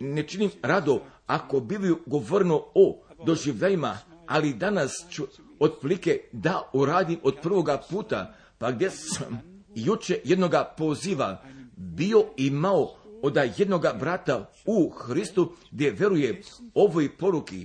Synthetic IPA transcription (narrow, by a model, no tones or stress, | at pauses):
net͡ʃinimɾad̪oako̞biʋuɡo̞ʋorɾenood̪o̞ʒiʋʎʲalimaalid̪anast͡ʃu | od̪pliked̪auɾaːd̪imo̞d̪̚pr̩ʋo̞ɡapuːt̪a̰ | paɡd̪jesam | jut͡ʃejed̪no̞ɡapo̞ziːʋabio̞imaood̪aje̞d̪no̞ɡabɾat̪a | uxɾist̪uɡd̪jeʋje̞ɾujeo̞ʋojpo̞ɾukḭ